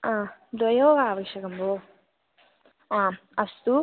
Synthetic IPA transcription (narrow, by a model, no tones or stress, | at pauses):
ãd̪ɔjoːʋaːʋɐʃɐkɐmboː | ãːɐst̪u